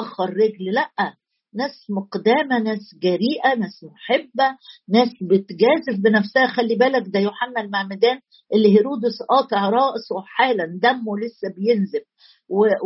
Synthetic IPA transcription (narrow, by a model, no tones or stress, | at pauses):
ʔɑxɑɾˤːeɡllæʔːæ | næːsmoqd̪æːmænæːsɡæɾiːʔænæːsmoħebːænæːsbet̪ɡæːzefbenæfsæhæxælːibæːlæk̚d̪æjoħamːælmaʕmed̪æːn | ʔelːiɦeɾuːd̪osʔɑːt̪ˤeʕɾˤɑːʔsˤweħaːlænd̪æmːolesːæbejenzeb̚ | we